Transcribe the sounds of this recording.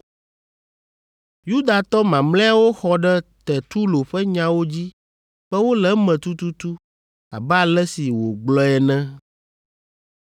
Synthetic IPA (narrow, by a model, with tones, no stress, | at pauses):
ju˦d̪a˨t̪ɔ˦mã˨mlɛ̃˦a˦wo˦xɔ˦ɖɛ˦t̪ɛ˨t̪u˦lo˨ɸɛ˦ɲã˨˦wo˦d͡ʑi˦ | ɸɛ˦wo˦lɛ˦mɛ̃˨t̪u˦t̪u˦t̪u˦ | a̰˨bɛ˦a˨lɛ˦si˨wo˨ɡ͡blɔ˦ɛ˨nɛ̃˦